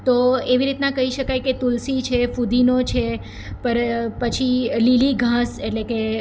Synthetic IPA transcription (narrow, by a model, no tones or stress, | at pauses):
t̪oeʋiɾit̪nãkəɦiʃəkajket̪ulsit͡ʃʰefud̪inot͡ʃʰe | pəɾpət͡ʃʰililiɡʱãseʈleke